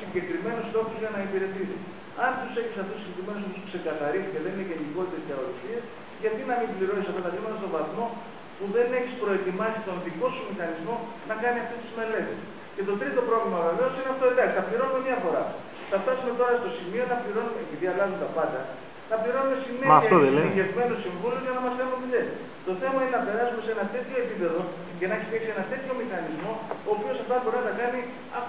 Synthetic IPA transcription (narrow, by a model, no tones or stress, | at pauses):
siɲɟe̞kɾime̞nust̪o̞xozʝɐnɐipiɾe̞t̪it̪ḭ | ɐnt̪use̞çisɐft̪usiɲɟekɾime̞nosouskse̞kɐθɐɾisiceðe̞nineʝeniko̞lit̪eskɐɾoloçies | ʝɐt̪inɐmibliɾo̞nisɐft̪ɐt̪ɐklimɐt̪ɐst̪o̞vɐθmo̞ | puðe̞ne̞çispɾo̞e̞t̪imɐsit̪o̞nðiko̞sumixɐnizmo̞ | nɐkɐniɐft̪est̪izme̞le̞t̪ḛs | ce̞t̪o̞t̪ɾit̪o̞pɾo̞vlimɐve̞ve̞o̞sineɐft̪oileksi̥t̪ɐpliɾo̞nume̞mɲɐfo̞ɾɐ̰ | θɐft̪ɐsume̞t̪o̞ɾɐst̪o̞simio̞nɐpliɾo̞numepit̪iɐlɐzumet̪ɐpɐnd̪ɐ | nɐpliɾo̞nume̞sinefɐoeievme̞nosiɱvulioʝɐnɐmɐsθenumet̪iesi | t̪o̞θe̞mɐinenɐpe̞ɾɐsume̞se̞nɐt̪e̞t̪ço̞e̞pipe̞ðo̞ | ce̞nɐeçiseksie̞nɐt̪e̞t̪ço̞mixɐnizmo̞oːpio̞sɐft̪ɐbo̞ɾiɐnɐkɐni | ɐ